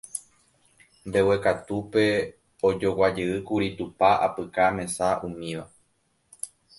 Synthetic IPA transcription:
mbe̞we̞kat̪upe̞ | od͡ʒo̞wad͡ʒeɨkuɾit̪upaapɨkamẽ̞saʔũmĩʋa

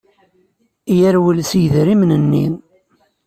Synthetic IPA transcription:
jæɾwəlsjðɾimnənːḭn

